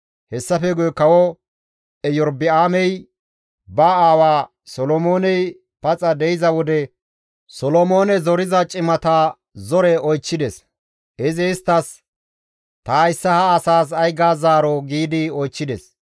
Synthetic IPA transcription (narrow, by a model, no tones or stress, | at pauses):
hɛsːɐfɛɡʊjɛkɐwɔ | ɛjɔɾbɪaːmɛj | bɐaːwaː | sɔlɔmo̞ːnɛj | pɐt͡sʼɐd̪ɛjɪzɐwɔd̪ɛ | sɔlɔmo̞ːnɛzɔɾɪzɐt͡ʃʼɪmɐt̪a | zɔɾɛɔjt͡ʃːɪd̪ɛs | ʔɪzɛɪst̪ːɐs | t̪aɪsːɐhɐːsaːs̬ɐjɡaːzaːɾɔɡiːd̪ɪɔjt͡ʃːɪd̪ɛs